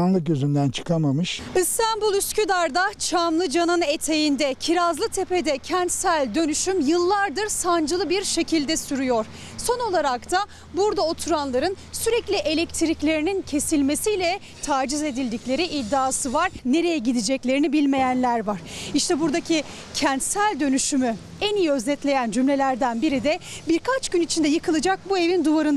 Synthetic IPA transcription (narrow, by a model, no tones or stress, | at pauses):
anlˠɯk̚ɟøzynd̪ænt͡ʃʰɯ̥kʰamamɯʃɯst̪anbulˠyscʰyd̪aɾd̪at͡ʃʰamlˠɯd͡ʒanɯnet̪ʰe̞jind̪ɛcʰiɾazlˠɯt̪ʰe̞pʰe̞d̪ɛcʰɛnt̪sælʲd̪ø̞nyʃymjɯlˠːaɾd̪ɯɾsand͡ʒɯlˠɯbiɾʃe̞cʰilʲd̪ɛsyɾyjo̞ɾ̥ | so̞no̞lˠaɾakt̪ʰa | buɾd̪ao̞t̪ʰuɾanlˠaɾɯnsyɾɛclʲiʔe̞lʲɛct̪ʰiɾiclʲe̞ɾinincʰe̞silʲme̞sijlʲɛ | t̪ʰaːd͡ʒize̞d̪ilʲd̪iclʲe̞ɾiʔid̪ːaːsɯvaɾne̞ɾe̞jɛɟid̪id͡ʒɛclʲe̞ɾinibilʲme̞jænlʲæɾvaɾ̥iʃt̪ʰɛbuɾd̪acʰi | cʰɛnt̪sælʲd̪ø̞nyʃymy | enijø̞zɛt̪lʲe̞jænd͡ʒymlʲe̞lʲæɾd̪ænbiɾid̪ɛbiɾkʰat͡ʃɟynit͡ʃʰind̪ɛjɯkʰɯlˠɯd͡ʒak̚bue̞vind̪uvaɾɯn